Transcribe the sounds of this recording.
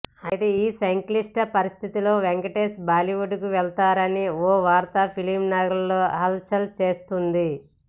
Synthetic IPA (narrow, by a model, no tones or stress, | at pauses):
ɐjt̪eiːsɐŋkliʂʈɐpɐɾist̪ʰit̪ilo̞ːʋeŋkɐʈeːsbaːliʋuɖukuʋɛlt̪aːɾɐnioːʋaːɾt̪apʰilimnaːɡɐɾɐlːoːɦɐlt͡ʃɐlt͡ʃe̞ːst̪und̪i